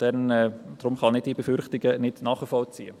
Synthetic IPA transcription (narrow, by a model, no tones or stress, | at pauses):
d̥ɛnɛd̥ɾʊmχɑnɪd̚dibefʏɾχtɪɡənɪdnɑːχifɔlt͡siːə